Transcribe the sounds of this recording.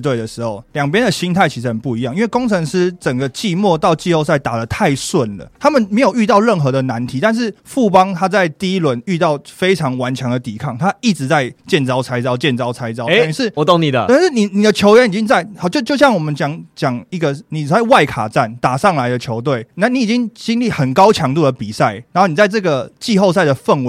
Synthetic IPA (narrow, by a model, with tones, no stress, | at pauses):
t̪we˥˩ɪə˩ʂɻ̩˧˥xo˥˩ʊljɑ˨˩ŋp̬jɛ˥˦nd̪ə˨ɕi˥nt̪ʰa˥˩ɪt͡ɕʰi˧˥ʂɻ̩˧hə˨˩npu˥˩i˧˥jɑ˥˧ŋi˥nwe˥˩ɪko˥ŋt͡sʰə˧˥ŋʂɻ̩˥t͡sə˨˩ŋɡə˦t͡ɕi˥˧mwɔ˥˧t̪ɑ˥˧ʊt͡ɕi˥˧ho˥˧ʊsa˥˩ɪt̪a˨˩lə˦t̪ʰa˥˧ɪswə˥˩nlə̰˩t̪ʰa˥mə˨nme˧˥ɪjo˨˩ʊy˥˧t̪ɑ˥˧ʊɻə˥˩nxɤ˧˥d̪ə˨na˧˦nt̪ʰi˨˥˦t̪a˥˧nʂ̬ɻ̩˥˩fu˥˩pɑ˥ŋt̪ʰa˥t͡sa˥˧ɪt̪i˥i˥˩lwə˧˦ny˥˧t̪ɑ˥˩ʊfe˥ɪʈ͡ʂʰɑ˧˥ŋwa˧˦nt͡ɕʰɥŋd̪ə˨t̪i˨˩kʰɑ˥˩ŋt̪ʰa˦i˥˩ʈ͡ʂɻ̩˧˦t͡sa˥˧ɪt͡ɕjɛ˥˩nt͡sɑ˥ʊt͡sʰa˧˥ɪt͡sɑ˥ʊt͡ɕjɛ˥˨˩nt͡sɑ˥ʊt͡sʰa˧˥ɪt͡sɑ˥˦ʊ˦˨˧ʂɻ̩˥˩wt̪o˥˩ŋni˨d̪ə˦a˥˧˥ʂɻ̩˥˩ni˨˩ni˨˩d̪ə˦t͡ɕʰjo˧˥ʊɥɛ˦ni˨˩i˦˥ŋt͡sa˥˩ɪxʊt͡ɕjo˥˧t͡ɕjo˥˧ʊɕjɑ˥˩ŋwɔ˨˩mə˨˦nt͡ɕjɑ˨˦ŋt͡ɕjɑ˨˩ŋi˥˩ɡə˨ni˨˩˨t͡sa˥˧ɪwa˥˩ɪkʰa̰˨˩t͡sa˥˨˩nt̪a˨˩ʂɑ˥˩ŋla˦ɪd̪ə˨t͡ɕʰjo˧˥ʊt̪̬we˥˩ɪna˥˩ni˧˥i˨˩t͡ɕi˦ŋt͡ɕi˥ŋli˥˩xə˨˩nkɑ˥ʊt͡ɕʰjɑ˧˥ŋt̪u˥˩d̪ə˩pi˨˩sa˥˩ɪn˨˧no˥˩n˨˩t͡sa˥˧ɪt͡sɤ˥˩ɡə˩t͡ɕi˥˧xo˥ʊs̬a˥˩ɪd̪ə˩fə˥˩n˦